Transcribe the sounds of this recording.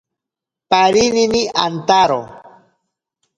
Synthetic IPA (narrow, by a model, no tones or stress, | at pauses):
paɾininiʔant̪aɾo̰